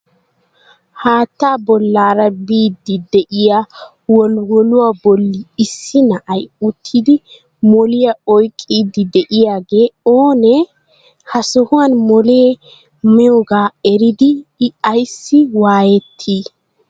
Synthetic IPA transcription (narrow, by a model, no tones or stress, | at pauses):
haːt̪ːaːbɔlːaːɾɐbiːd̪ːɪd̪ɛʔɪja | wɔlwɔlʊwaːbɔlːɪːsːɪnɐʔɐjʊt̪ʰːɪd̪ɪ | mɔlɪjɐɔjkʼːiːd̪ɪd̪ɛʔɪjaːɡe̞ːoːnɛ | hɐsɔhʊwanmɔleː | mɪjoːɡaːɛɾɪd̪ɪɐjsːɪwaːjɛt̪ʰːiː